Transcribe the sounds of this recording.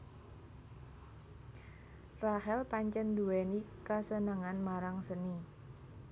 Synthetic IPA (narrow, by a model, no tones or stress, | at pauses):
rahɛlpaɲt͡ʃənd̪uwɛnikasənəŋanmaɾaŋsəni